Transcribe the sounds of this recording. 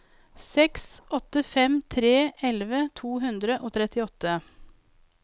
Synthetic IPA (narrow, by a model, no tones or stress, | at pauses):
sɛksʔɔt̪əfɛmt̪ʰɾeːʔɛlʋət̪ʰuːɦʉnd̪ɾəʔoːt̪ʰɾɛt̪ɪɔt̪ːə